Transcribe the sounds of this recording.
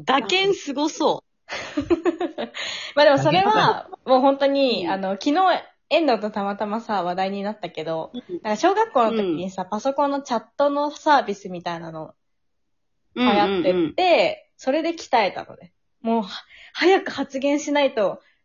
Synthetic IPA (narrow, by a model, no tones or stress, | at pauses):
d̪akẽɰ̃sɨɡosoː | maːd̪e̞mo̞so̞ɾe̞βamo̞ːɦõ̞nt̪o̞ɲ̟iano̞kʲino̞ː | ẽ̞nd̪aːt̪o̞t̪amat̪amasaβ̞ad̪aiɲ̟inat̪ːake̞d̪o̞nãŋkaɕo̞ːɡakːo̞ːnot̪o̞kʲiɲ̟isapaso̞kõ̞nːo̞t͡ɕat̪ːo̞no̞saːbʲisɨmʲit̪ainano̞ | hajat̪ːet̪ːe̞ | so̞ɾe̞d̪e̞kʲi̥t̪ae̞t̪a̰no̞̰d̪e | moːhhajakɯ̟hat͡sɨɡẽ̞ɰ̃ɕinait̪o̞